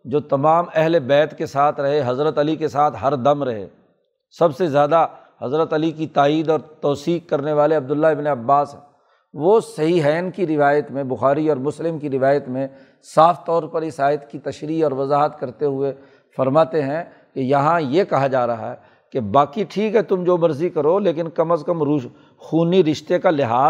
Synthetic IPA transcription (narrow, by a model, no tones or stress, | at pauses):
d͡ʒoːt̪ɐmaːmɛɦlebɛːt̪kesaːt̪ʰɾɐɦeɦɐzɾət̪ɐlikesaːt̪ʰɦɐɾd̪ɐmɾɐɦḛː | sɐbsezjaːd̪a | hɐzɾət̪ɐlikit̪aːiːd̪ɔːɾt̪ɔːsiːkkɐɾneʋaːleɐb̚d̪ʊlːaɪbneɐbːaːsɦɛ̰̃ | ʋosɐɦiɦɛːnkiɾɪʋaːjət̪mẽbʊxaːɾiɔːɾmʊslɪmkiɾɪʋaːjət̪mẽ | saːft̪ɔːɾpɐɾɪsaːɪət̪kit̪ɐʃɾiːɔːɾʋɐzaːɦət̪kɐɾt̪eɦʊe | fɐɾmaːt̪eɦɛ̃ | kejɐɦãjekɐɦad͡ʒaːɾɐɦa̰ɦɛ | kebaːkiʈʰiːkɦɛt̪ʊmd͡ʒoːmɐɾzikɐɾoleːkɪnkɐməskɐmɾu | xuːniɾɪʃt̪ekalɪɦaː